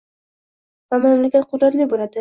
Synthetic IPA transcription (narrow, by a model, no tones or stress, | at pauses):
vamamlakʲat̪̚qʰʊd̪ɾat̪lɪbolad̪ɪ